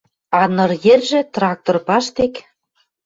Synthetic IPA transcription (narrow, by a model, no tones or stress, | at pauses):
ɑnɤ̆rjerʒĕt̪rɑk̚t̪orpɑʃt̪ek